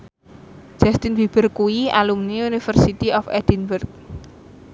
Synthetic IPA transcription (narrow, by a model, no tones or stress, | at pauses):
d͡ʒ̥ast̪inbib̥ərkuia̰lumniunifərsit̪iɔfɛd̪inwərt̪̚